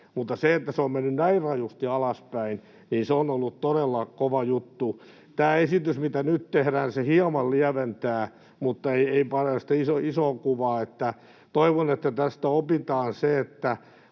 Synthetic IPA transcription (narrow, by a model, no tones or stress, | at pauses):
mut̪ːɑseet̪ːæseommenːynnæirrɑjust̪iɑlɑspæin | niːnseonolːutt̪oɾelːɑkoʋɑjut̪ːu | t̪æːesit̪ysmit̪ænyt̪t̪ehɾæːnsehiɑmɑlliæʋent̪æː | mut̪ːɑeieipɑrest̪eisoisoːkuʋɑːet̪ːæ | t̪oiʋonet̪ːæt̪æst̪æopit̪ɑːnseet̪ːæ